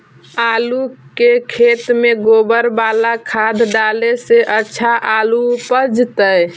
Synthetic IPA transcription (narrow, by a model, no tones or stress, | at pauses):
alukekʰet̪meɡobəɾbalakʰad̪ʱɖaleseʔətːʃʰaʔalupəd͡ʒt̪ə